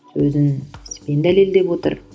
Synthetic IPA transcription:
sɵzɪnɪspe̞nd̪æle̞ld̪e̞pwo̞t̪ə̰ɾ

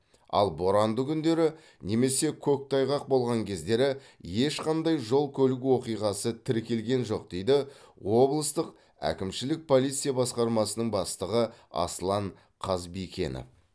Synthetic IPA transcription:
ɑ̰lˠbo̞ɾɑnd̪əkʲʰʏnd̪e̞ɾɪ | ne̞me̞se̞kʲʰɵk̚t̪ʰɑjʁɑq̚bo̞lˠʁɑŋkʲʰe̞zd̪e̞ɾɪ | je̞ʃqɑnd̪ɑjʒo̞lˠkʲʰɵlɪk̬ʲwo̞qijʁɑsət̪ʰɪɾkʲe̞lɡʲe̞nʒo̞q̚d̪̥e̞jd̪ɪwo̞blˠəst̪əq | æ̰kʲɪmʃɪlɪk̚pʰo̞lˠit̪sɨjabɑsqɑɾmɑsənəɴbɑst̪əʁəɑ̰slˠɑɴ | qʰɑzbikʲe̞̰nɪ̰

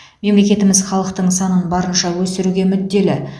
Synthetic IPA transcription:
me̞mle̞kʲe̞t̪ɪmɪzχɑlˠəq̚t̪əɴsɑnənbɑɾənʃɑwɵst̪ɪɾuɡʲe̞mʏd̪ːe̞lɪ

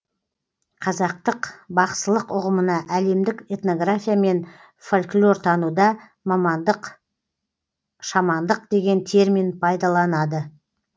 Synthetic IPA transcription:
qʰɑzɑq̚t̪əqbɑqsəlˠəqʊʁəmənɑʔæle̞md̪ɪke̞t̪no̞ɡrafʲijame̞n | fo̞lʲklʲo̞rt̪ʰɑnud̪ɑ | mɑmɑnd̪əq | ʃɑmɑnd̪əq̚d̪̥e̞ɡʲe̞nt̪ʰe̞ɾminpʰɑjd̪ɑlˠɑnɑd̪ə

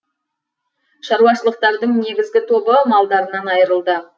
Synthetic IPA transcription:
ʃɑɾuɑʃəlˠəq̚t̪ɑɾd̪əɴne̞ɡʲɪzɡʲɪt̪ʰo̞bəmɑlˠd̪ɑɾənɑnɑjəɾəlˠd̪ə

